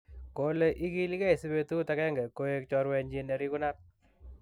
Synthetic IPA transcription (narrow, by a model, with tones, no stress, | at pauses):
ko˨le˦ʔi˦ki˦li˦kɛ˦i˨si˦be˦tu˦takɛ˦ŋɡɛ˨ko˦e˧k̚t͡ʃɔ˧ɾwɛ˧ɲd͡ʒi˧ne˨ɾi˦ku˦na˦t̚